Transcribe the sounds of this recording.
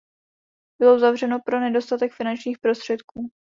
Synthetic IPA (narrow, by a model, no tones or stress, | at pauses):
b̥ɪlo̞uzavr̝ɛno̞pɾo̞nɛdo̞st̪at̪ɛkfɪnant͡ʃɲiːxpɾo̞st̪r̝̥ɛt̪kuː